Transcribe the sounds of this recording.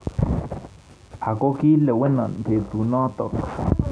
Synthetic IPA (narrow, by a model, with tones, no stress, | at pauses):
ʔa˨ko˦ki˦le˨we˦na˨npe˨t̪u˨na˦t̪o˨k